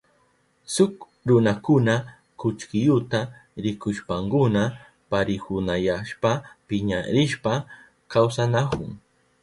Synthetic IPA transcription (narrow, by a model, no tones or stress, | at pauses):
sʊk | ɾʊnakʊna | kʊt͡ʃkɪjʊt̪aɾɪkʊʃpaŋkʊna | paɾɪhʊnajaʃpapɪɲa̰ɾɪʃpa | kawsanakʊ̰ŋ